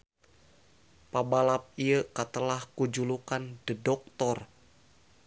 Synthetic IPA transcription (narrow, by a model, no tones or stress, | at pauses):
pabalap̚iəkat̪əlahkud͡ʒulukandədɔk̚t̪ɔr